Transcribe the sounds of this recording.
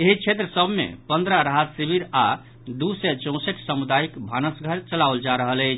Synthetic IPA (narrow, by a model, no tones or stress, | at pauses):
eɦit͡ʃʰet̪ɾəsəbʱmḛpənd̪ɾəɾaɦət̪sibiɾa | d̪usɛt͡ʃõseʈsəmud̪aikbʱanəsɡʱəɾt͡ʃəlawld͡ʒaɾəɦələɪt͡ʃʰ